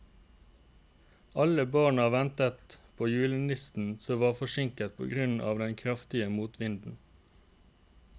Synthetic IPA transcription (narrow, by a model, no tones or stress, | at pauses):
ɑləbɑːɳɑʋɛnt̪ət̪pʰoːjʉːlənɪst̪n̩soːʋɑːʁfɔʃɪŋkət̪̚pʰo̰ːɡʁʉnɑ̰ːʋd̪ɛnkʰʁɑft̪ɪəmuːt̪ʋɪnd̪n̩